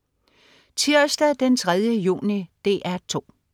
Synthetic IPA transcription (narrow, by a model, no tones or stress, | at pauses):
t͡sʰiɐsd̥æd̥ent͡sʰʁað̞ˠjəjṵːnid̥e̝̰ːʔæɐt͡sʰo̝̰ː